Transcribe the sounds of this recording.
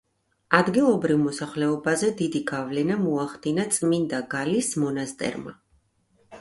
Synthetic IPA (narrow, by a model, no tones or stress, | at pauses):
ad̪ɡilˠɔbɾivmɔsaχlɛɔbazɛd̪id̪iɡavlɛnamɔaχd̪inat̪sʼmind̪aɡalismɔnast̪ʼɛ̰ɾma̰